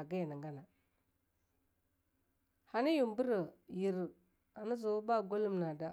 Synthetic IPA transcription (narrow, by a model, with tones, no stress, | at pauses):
ɡa˦ja˨na˨ŋɡa˦na˨ | ha˨ni˦ju˨mbu˦ɾə˨ji˨ɾ | a˨na˦zo˨wba˦˨ɡo˦lu˦mna˨da˦